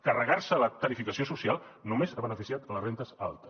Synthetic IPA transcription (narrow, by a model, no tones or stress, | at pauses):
kərəɣaɾsələt̪əɾifikəsiosusialˠnumezaβənəfisiat̪lərent̪əza̰lˠt̪ə̥s